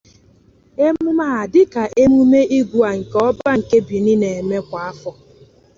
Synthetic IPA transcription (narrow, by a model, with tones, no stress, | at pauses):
e˦mʊ˦ma˦˨a˨dɪ˦ka˨ʔe˦mu˦me˦i˦ɡʷu˨a˨ŋ̩˨kɔ˦ba˦ŋ̩˨ke˦bi˨nɪ˦ne˨me˦kʷa˨a˦fɔ˦